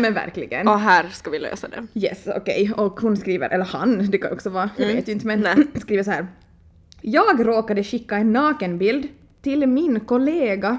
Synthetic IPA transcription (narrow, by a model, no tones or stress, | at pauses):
mɛnvæ̰ɾklɪ̰ɡə̰nɔɦæːɾskɑʋɪlø̰ːsad̪ɛ̰jɛ̰sɔ̰kɛ̰jɔkhʊnskɾiːʋə̰ɾʔɛlːəha̰nd̪ɛkʰanj̰ʔɔksɔvɑːjaʋḛːt̪jʉʏnt̪əmɛnskɾiːʋəs̬ɔhæːɾ | jɑːɡɾoːkad̪əʃɪkːaɛnːɑːkənbɪld̪ | t̪ɪlmɪnkɔleːɡa